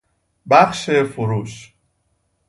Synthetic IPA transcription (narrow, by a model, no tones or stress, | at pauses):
bæxʃefoɾuːʃ